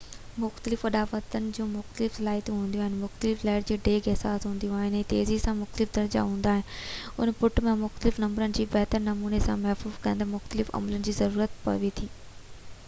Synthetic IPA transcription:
mʊxt̪əlɪfɐɗaːʋət̪ənɪ̆d͡ʑũːmʊxt̪əlɪfsɐlaːɦt̪ũɦũːnd̪iũaɦɪ̃n̆mʊxt̪əlɪflaːɪʈd͡ʑeːɖeːkʰeɦsaːsɦũːnd̪ijũaːɦɪnɛ̃ːt̪ḛːzisãmʊxt̪əlɪfd̪ʱɐɾd͡ʑa̰ɦũːnd̪aːɦɪ̃nɪʊ̰npʊʈmẽmʊxt̪əlɪfnɐmbəɾənɪ̆d͡ʑiːbɐɦt̪əɾnɐmuːnesãmɐɦfuːzkɐ̃ɪ̃nd̪amʊxt̪əlɪfɐ̰mələnɪ̆d͡ʑiːzɐɾuːɾət̪pɐ̰ʋit̪ʰiː

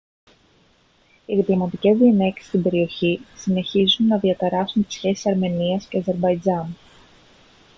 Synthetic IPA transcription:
iðiplomɐt̪ice̞zðinece̞st̪imbe̞ɾio̞çisine̞çizunːɐðiɐt̪ɐɾɐsunt̪i̥sçe̞si̥sɐɾme̞niɐsceɐze̞ɾbɐjd͡zɐn

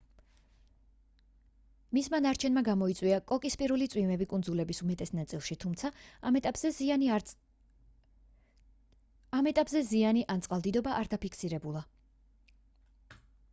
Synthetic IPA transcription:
mismanaɾt͡ʃʰɛnmaɡamɔit̪sʼwiakʼɔkʼispʼiɾulit̪sʼwimɛbikʼunzulɛbisumɛt̪ʼɛsnat̪sʼilˠʃit̪ʰumt̪sʰamɛt̪ʼapʼzɛ | amɛt̪ʼapʼzɛzianiʔant̪sʼqʼalˠd̪id̪ɔbaʔaɾd̪apʰikʰsiɾɛbulˠa

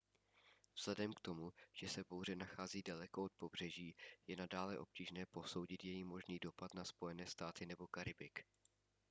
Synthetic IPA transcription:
vz̥lɛdɛmkt̪o̞muʒ̥ɛsɛbowr̝ɛnaxaːziːdalɛkoot̪̚po̞br̝̥ɛʒiːjɛnadaːlɛʔo̞p̚ciːʒnɛːpo̞so̞wɟɪt̪jɛjimo̞ʒniːdo̞pat̪naspo̞jɛnɛːst̪aːt̪ɪnɛbo̞kaɾɪbɪk

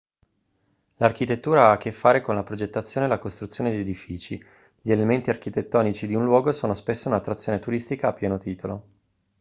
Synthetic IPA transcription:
lark̟it̪et̪ːuːɾaakːefːaːɾekonlapɾod͡ʒet̪ːat̪sːjoːnelakost̪ɾut̪sːjoːned̪ed̪ifiːt͡ʃi | ʎielement̪iarkit̪et̪ːɔːnit͡ʃid̪iunlwɔːɡosoːnospesːounat̪ːɾat̪sːjoːnet̪uɾist̪ikaːpːjɛːnot̪iːt̪olo

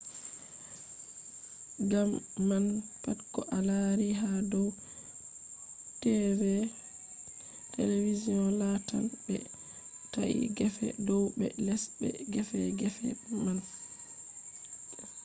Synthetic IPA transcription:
ɡamːanpatkɔʔalaɾiɦadɔw | tɛɾɛ | televiziɔnlata̰lbɛ̰ | taʔḭɡɛfɛ̰dɔwbɛ̰lɛsbɛ̰ɡɛfɛɡɛfɛ̰man

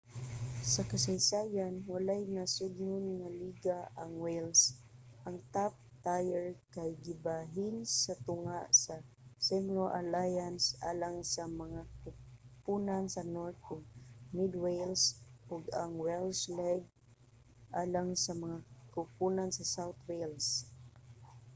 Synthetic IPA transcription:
sakasajsajanwalajnasʊd̪nʊnŋaliɡaʔaŋwejlsʔaŋt̪ap̚t̪ajɛɹkajɡɪbaɦɪnsat̪ʊŋaʔsa | sɛmloʔalajansʔa̰laŋsamaŋakʊpunansanoɹt̪̚ʔʊɡ̚mɪd̪wejlsʔʊɡaŋwɛlslɛɡ̚ | ʔaːlaŋsamaŋakʊpunansasawt̪wels

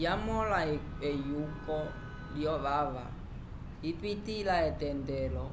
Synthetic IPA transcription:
jamɔla | ɛjukɔ | ljɔʋaʋa | ipitilaɛtɛndɛlɔ

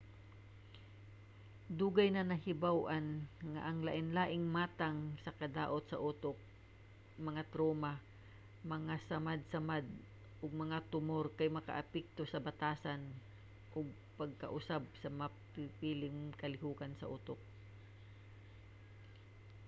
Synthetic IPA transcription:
d̪uːɡajnɐnɐɦɪbawʔanŋa̰ʔɐŋlaʔɪnlaːʔɪŋmaːt̪aŋsɐkɐd̪aːʔot̪̚sɐʔut̪ok̚ | mɐŋat̪ɾoːma | mɐŋasamad̪̚samad̪̚ | ʔʊɡ̚mɐŋat̪ʊmoɾkajmɐka̰ʔapɛk̚t̪osɐbat̪aːsan | ʔʊɡ̚ | pɐɡ̚kɐʔʊsab̚sɐmɐpɪpiːlɪŋkɐlɪɦuːkansɐ̰ʔuːt̪ok̚

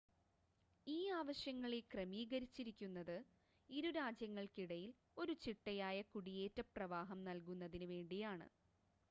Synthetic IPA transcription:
iːaːʋɐɕjɐŋːɐɭekrɐmiːɣɐɾit͡ɕːiɾikʲːunːɐðɨ | iɾuɾaːd͡ʑjɐŋːɐɭkiɽɐjil | o̞ɾut͡ɕiʈːɐjaːjɐkuɽije̞ːtːɐprɐʋaːɦɐmnɐlkunːɐðinɨʋe̞ːɳɖijaːɳɨ̰

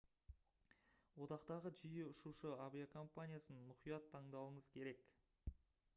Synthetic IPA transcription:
wo̞t̪ɑqt̪ɑʁəʒijɪʊʃuʃəabijakʰo̞mpanʲijasənːʊqijɑt̪ʰːɑɴd̪ɑw̪ˠəɴəzkʲʰe̞ɾe̞k

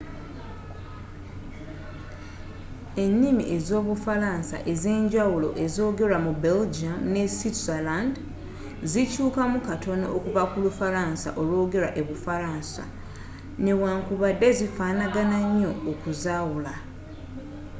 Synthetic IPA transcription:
e̞nːimḭʔe̞zo̞ːβufalaːnsa̰ʔe̞ze̞ːɲɟawulo̞̰ʔe̞zo̞ːɡe̞ɾamube̞ld͡ʒiamne̞sitzaland | zicuːkamukato̞no̰ʔːkuvakulufaɾaːnsa̰ʔo̞lwo̞ːɡe̞ɾaʔe̞βufaɾaːnsa̰ | newaːŋkuβadːe̞zifaːnaɡanaɲːo̞ːkuzaːwula

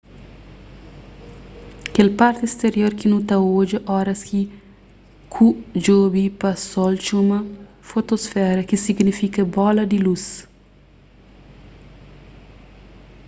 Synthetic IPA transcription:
kelpart̪est̪eɾjoɾkinut̪aod͡ʒɐʔɔɾɐski | kʰud͡ʒobipɐsɔlt͡ʃumɐ | fot̪osfɛɾɐk̟isiɡnifikɐbɔlɐd̪ilus

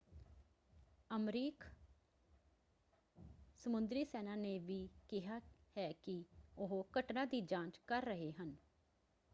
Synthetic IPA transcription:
əmɾiːk | səmʊnd̪ɾiːsɛːnaːneːʋiːkɪɦaːhɛːkɪʊɦokəʈnaːd̪iːd͡ʒãːt͡ʃkəɾːəɦeːɦən

